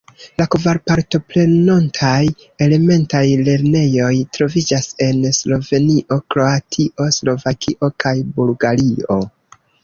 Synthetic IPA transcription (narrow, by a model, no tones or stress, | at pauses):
lakovaɾpaɾto̞pɾe̞nontʰaj | e̞le̞me̞ntajle̞ɾne̞jo̞jtɾo̞vid͡ʒase̞nslo̞ve̞niʔo̞kɾo̞atʰiʔo̞slo̞vakʰḭʔo̞kajbulɡaɾio̞